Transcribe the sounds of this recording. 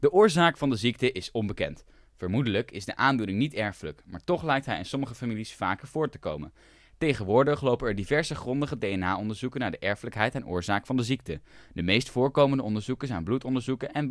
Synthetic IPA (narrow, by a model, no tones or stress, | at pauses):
d̥əʔʊːɹzaːkfɑndəzik̚təʔɪsɔnbəkɛ̰nt | fəɹmudələkɪzdəʔaːndunɪŋnitɛɹfələkmaːɹtɔχlɛjk̚tɦɛjɪ̰nsɔməχəfamilisfa̰ːkəɹv̥ʊːɹtə̥ko̰wmə̰n | tejχənʋʊːɹdəχlowpənɛɹdivɛɹzəχrɔndəχədejɛnaːɔndəɹzukənaːɹdəʔɛɹfələkɦɛjtɛnʔʊ̰ːɹzaːkfɑndəzik̚tədəmejstfʊːɹkowməndəɔndəɹzukəsajnblutɔndəɹzukəɛn